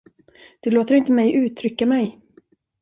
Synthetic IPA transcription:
d̪̥ɵloːt̪əɾɪnt̪əmɛjʔʉ̟ːt̪ʰɾʏkːamɛj

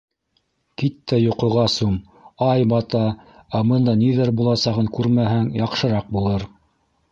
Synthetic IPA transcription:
kit̪ːæjŏqŏʁɑsum | ɑjbɑt̪ɑæbɤnd̪ɑniðɘɾbulˠɑsɑʁɤŋkʉɾmæɦɘŋjɑqʃɤ̆ɾɑq̚bulˠɤɾ

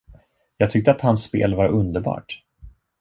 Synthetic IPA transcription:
jɑːɡ̚t̪ʰʏk̚t̪əat̪hansːpḛːlvaɾɵnd̪əɾbɑ̰ːʈ

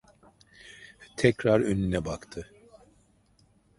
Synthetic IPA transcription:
t̪ʰɛcɾaɾønynɛbakt̪ʰɯ

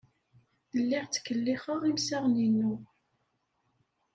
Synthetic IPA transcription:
əlːɪʁt͡sːkːəlːiχəʁimsaʁninːu

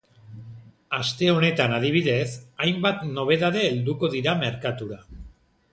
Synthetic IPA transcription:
ast̪e̞o̞ne̞t̪anað̞iβ̞iðe̞sajmbat̪no̞β̞e̞ðaðe̞ːld̪uko̞ðiɾame̞ɾkat̪uɾa

